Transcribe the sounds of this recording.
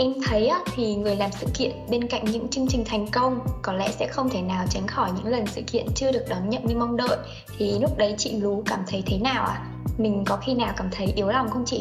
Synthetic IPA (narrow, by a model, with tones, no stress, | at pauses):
ʔɛ˧mt̪ʰə˨˦jʔaː˨˦t̪ʰi˨˩ŋɨ˨˩əjlaː˨˩msɨ̰˧˨kḭ˧˨ənɓe˧nka̰˧˨jŋ̟ɲɨ̰˧˥ŋt͡ɕɨ˧əŋt͡ɕï˨˩ŋ̟t̪ʰa˨˩jŋ̟kə˧wŋ͡mkɔ˨˦lɛ̰˧˥sɛ̰˧˥xə˧wŋ͡mt̪ʰe˧˩naː˨˩wt͡ɕa˨˦ŋ̟xɔ˧˩jɲɨ̰˧˥ŋlə˨˩nsɨ̰˧˨kḭ˧˨ənt͡ɕɨ˧əɗɨ˨˩ək̚ɗɔ˨˦nɲə̰˧˨nɲɨ˧ma˧wŋ͡mɗə̰ː˧˨j | t̪ʰi˨˩lʊ˦˥k͡p̚ɗə˨˦jt͡ɕḭ˧˨lu˨˦kaː˧˩mt̪ʰə˨˦jt̪ʰe˨˦naː˨˩wʔaː˨˩ | mï˨˩ŋ̟kɔ˨˦xi˧naː˨˩wkaː˧˩mt̪ʰə˨˦jʔi˨˦əwla˨˩wŋ͡mxə˧wŋ͡mt͡ɕḭ˧˩